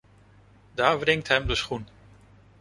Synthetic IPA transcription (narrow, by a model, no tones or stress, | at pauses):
daːɹvrɪŋtɦɛmdəsχun